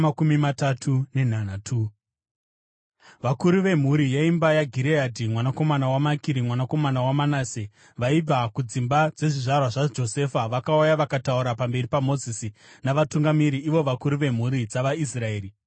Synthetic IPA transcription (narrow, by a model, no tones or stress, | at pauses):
akumimatatʰune̞n̤anatʰu | ʋakuɾuʋe̞m̤uɾijaimbajaɡʱiɾeadʱimwanako̞manawamakiɾimwanako̞manawamanaːse | ʋaib͡vakud͡zimbad͡ze̞ʐiʐarwaʐad͡ʒo̞se̞faʋakaujaʋakatauɾapambe̞ripamo̞zisinaʋatuŋɡamiɾiʔːʋo̞ʋakuɾuʋe̞m̤uɾid͡zaʋais̬rae̞ːɾi